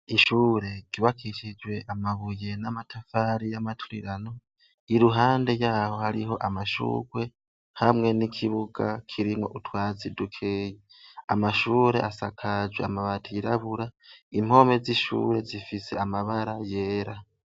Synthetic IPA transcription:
iʃuːɾe̞ɡ̥iβakʰiʃid͡ʒwe̞ʔamaβuje̞namatʰafaɾijamatʰuɾiɾano̞ | iɾuɦaːnde̞jaːho̞haɾiɦo̞ʔamaʃṵːɡwe̞ | hamŋe̞nikʰiβuɡ̥a̰kʰiɾimŋo̞̰ʔutwaːzidukʰeːje | amaʃuːɾe̞̰ʔasakʰad͡ʒweamaβatʰiiɾaβuɾaim̥o̞me̞ziʃṵɾe̞zifise̞amaβaɾaje̞ːɾa

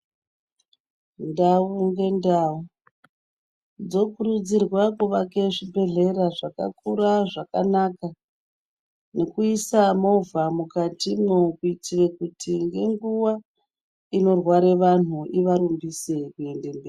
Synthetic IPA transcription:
ndauŋɡe̞ndau | d͡zo̞kuɾud͡zirwakuʋake̞ʐibʱe̞ɮe̞ɾaʐaka̰kuraʐakanaka | ne̞kuisamo̞vamukatimokuitirekutiŋɡe̞ŋɡuwa | ino̞rwaɾe̞ʋan̤uʔiʋaɾumbise̞kue̞nde̞mbei

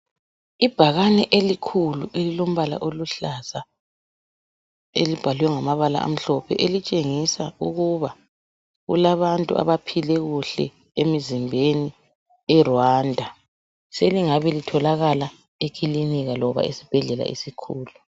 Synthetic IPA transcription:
ib̥ʱaɣanɛʔelikʰuluʔelilom̩βala̰ʔoluɬasa | ḛlib̥ʱalwɛŋamaβala̰ʔa̰m̩ɬɔpʰɛ̰ʔelit͡ʃʼeŋisauɣuβa | ɣṵlaβantʼṵʔa̰βapʰilɛɣuɬɛ̰ | emizimbʱeni | ɛrwaːndʱa | seliŋaβɛlitʰɔlaɣala | ekʰiliniɣalɔβa̰esi̥b̥ʱɛɮɛla̰ḭsikʰuːlu

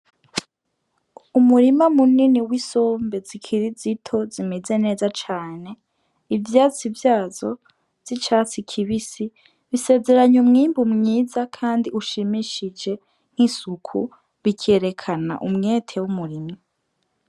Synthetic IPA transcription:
umuɾimamuniniwiso̞ːmbe̞zikʰiɾizitʰo̞zimeze̞ne̞ːzat͡ʃaːne̞ | ivjaːt͡sivjaːzo̞ | z̥it͡ʃaːt͡sikʰiβisi | βise̞ːze̞ɾaɲumŋiːmbumɲiːzakʰaːndiuʃimiʃid͡ʒe̞ | ŋ̥hisukʰu | βikʰe̞ɾe̞kʰana̰ʔumŋe̞ːtʰe̞wumuɾima

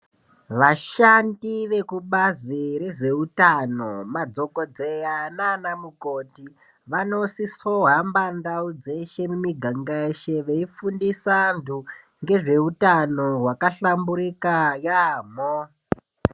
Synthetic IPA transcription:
ʋaʃandiʋe̞kuɓaziɾe̞ʐe̞utanomad͡zo̞kod͡zejananamukoti | ʋano̞sisoɦambandaud͡ze̞ʃe̞mumiɡʱaŋɡaeʃe̞ʋeifundisandu | ŋɡe̞ʐe̞utano̞ɦwakaɬambuɾikajaːmo

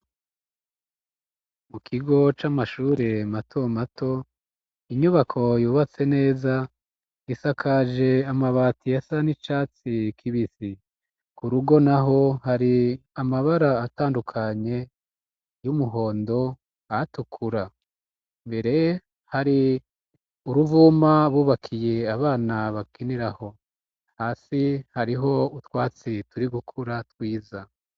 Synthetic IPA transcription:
mukʰiɡo̞t͡ʃamaʃuːɾematʰo̞matʰo̞ | iɲuβakʰo̞juːβat͡se̞ne̞ːza | isakʰaʒe̞amaβatijasanit͡ʃaːt͡sikʰiβisi | kuɾuɡo̞naɦo̞haɾiamaβaɾaːtaːndukʰaɲe̞ | jumuɦo̞ːndo̞ | atukʰuɾa | mbe̞ɾe̞ | haɾi | uɾuvuːmaβuːβakʰije̞aβaːnaβakiniɾaho̞ | haːsihaɾiɦo̞utwaːt͡situɾiɡukʰuɾatwiːza

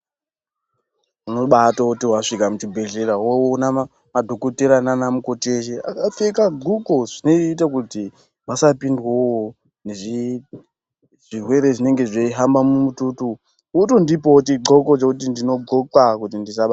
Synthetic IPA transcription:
unoɓatoutiwaʂikamut͡ʃibʱe̞ɮeɾawowona | madʱo̞koteɾananamuko̞teʃ̬ea̰kafekaɡuɡoʐ̥ineit̬akuti | masapindwo | neʐi | ʐ̥irwe̞ɾe̞ʐine̞ŋɡe̞ʐeiɦambamumututu | utondipotiɡ͡ǃo̞ko̞t͡ʃekutindino̞ɡokakutindisaɓa

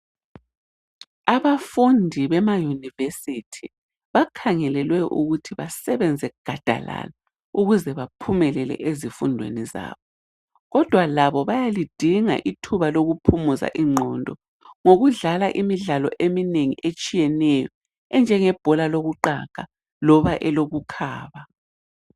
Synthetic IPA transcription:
aβafundʱiβɛmajunivesitʰi | βakʰaŋɛlɛlwɛʔṵɣutʰiβasɛβɛnd͡zʱɛɡ̥ʱad̥ʱa̰la̰la | uɣuzɛβapʰumɛlɛlɛ̰ʔezifundʱwḛniza̰ːβɔ | ɣɔd̥ʱwalaβɔβajalid̥ʱiŋa̰ʔitʰuβaloɣupʰumuza̰ʔiŋ͡ǃʱɔndʱɔ | ŋoɣuɮalaʔimiɮalɔ̰ʔemineŋḭʔet͡ʃʼijɛnɛjɔ | ɛnd͡ʒʱɛŋɛb̥ʱɔlaloɣuǃa̰ɣ̥a | lɔβaʔɛloɣukʰaːβa

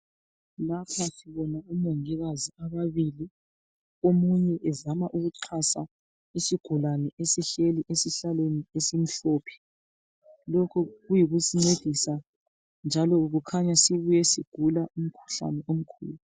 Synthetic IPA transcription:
lapʰasiβɔnaumoŋiɣaziaβaβili | omuɲɛʔɛzamaʔuɣuǀʰasa̰ | isiɡ̥ʱulanɛʔesiɬeliʔesiɬalweniesim̩ɬoːpʰi̥ | lokʰuɣujiɣusiŋ͡ǀed̥ʱisa | nd͡ʒʱalɔuɣukʰaɲasiβujɛsiɡ̥ʱulaʔum̩kʰu̥ɬa̰nɛʔom̩kʰṵːlu

